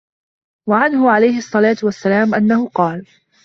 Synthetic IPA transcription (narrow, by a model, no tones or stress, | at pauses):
waʕanhʊʕalajhɪʔɑsˤːɑlaːt̪ʊwasːalaːmʔanːahʊqɑːl